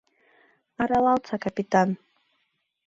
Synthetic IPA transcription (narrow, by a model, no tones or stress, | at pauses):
aɾalalˠt͡sʰakapit̪ʼan